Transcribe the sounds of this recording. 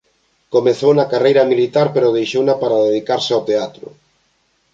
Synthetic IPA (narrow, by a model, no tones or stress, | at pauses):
komeθownakarejɾɐmilit̪aɾpeɾʊðejʃownapaɾaðeðikaɾseawt̪eat̪ɾʊ̰